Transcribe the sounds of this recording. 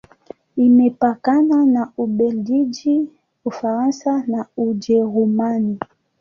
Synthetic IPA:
imɛpakananauɓɛldid͡ʒi | ufaɾansanaud͡ʒɛɾumani

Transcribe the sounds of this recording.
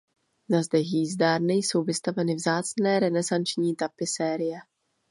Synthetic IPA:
nazd̪ɛxjiːzdaːɾnɪjso̞wvɪst̪avɛnɪvzaːt͡snɛːɾɛnɛzant͡ʃɲiːt̪apɪsɛːɾɪjɛ

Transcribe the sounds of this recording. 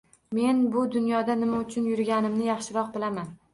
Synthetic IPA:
me̞nbʊd̪ʊnjɒd̪anɪmaʊt͡ʃʰʊnjʊɾɡʲanɪmnɪjɑχʃɪɾɒq̚bɪlaman

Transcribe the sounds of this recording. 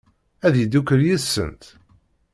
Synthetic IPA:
æðjid̪ukəɾjisːə̰nt̪

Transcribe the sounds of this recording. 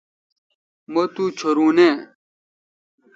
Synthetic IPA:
mɐt̪ut͡ɕʰoɾuːne

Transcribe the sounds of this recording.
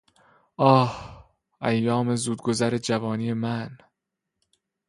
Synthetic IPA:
ʔɒːh | ʔæjːɒːme̞zuːd̪̚ɡozæɾed͡ʒævɒːniːjemæn

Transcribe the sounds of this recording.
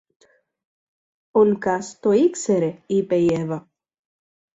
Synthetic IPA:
onkast̪oikseɾeipejeva

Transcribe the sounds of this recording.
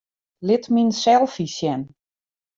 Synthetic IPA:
lɪtminsɛlˠfisjɛn

